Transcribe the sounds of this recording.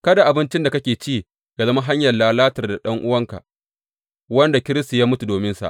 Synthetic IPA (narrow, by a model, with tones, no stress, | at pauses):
kɐ˦da˨ʔa˨bɪ˦nt͡ʃɪ˦nda˨kɐ˦kʲeː˨t͡ʃiː˦˨ | ɡ̥ɐ˨zɐ˦ma˦ɦa˦ɲjɐ˨laː˦laː˦tɐ˨rda˨ɗɐ˦ŋʔʊ˦wɐ˦ŋka̰˨ʔ | wɐ˦nda˨kʲɪ˦ɾɪ˦sta˨jaː˦mʊ˦tu˨doː˨mɪ˦nsa̰˨ʔ